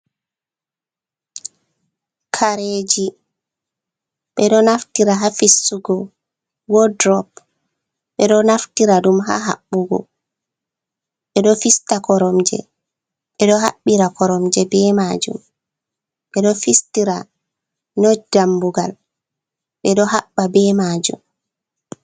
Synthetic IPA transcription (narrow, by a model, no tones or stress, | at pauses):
kʰaɾed͡ʒi | ɓɛɗɔnaftiɾaɦafisːuɡɔ | wɔdɾɔp | ɓɛɗɔnaftiɾaɗumɦa̰ɦa̰ɓːuɡɔ̰ | ɓɛɗɔfistakɔɾɔmd͡ʒɛ̰ | ɓɛɗɔɦa̰ɓːiɾakʰɔɾɔmd͡ʒɛbɛmad͡ʒṵm | ɓɛɗɔfistiɾa | nɔdambuɡal | ɓɛɗɔɦaɓːabɛmad͡ʒṵm